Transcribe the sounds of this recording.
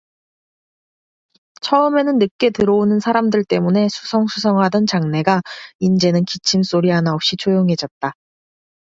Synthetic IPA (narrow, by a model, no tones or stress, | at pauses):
t͡ɕʰʌɯme̞nɯnːɯk̚k͈e̞tɯɾoonɯnsʰaɾamdɯɭt͈e̞mune̞sʰu̥sʰʌŋsʰusʰʌŋɦadʌnt͡ɕaŋne̞ɡaind͡ʑe̞nɯnkit͡ɕʰims͈oɾiɦanaop̚ɕ͈it͡ɕʰojoŋɦe̞d͡ʑʌt̚t͈a